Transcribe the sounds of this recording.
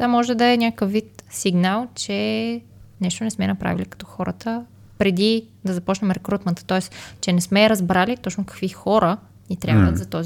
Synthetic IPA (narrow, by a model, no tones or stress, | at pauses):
vamɔʒɛd̪ɐɛnʲakkəfvːit̪siɡnalˠt͡ʃɛ | nɛʃt̪onɛsmɛnɐpɾa̰vilikɐ̥t̪ɔxɔɾə̰t̪ə | pɾɛd̪id̪ɐzɐpɔt͡ʃnɛmɛɾɛkɾut̪mɛnt̪t̪ɔɛst͡ʃɛnɛsmɛɾɐzbɾalit̪ɔt͡ʃnʊkɐ̥kvixɔɾə | nit̪ɾjabvət̪zɐt̪ɔzi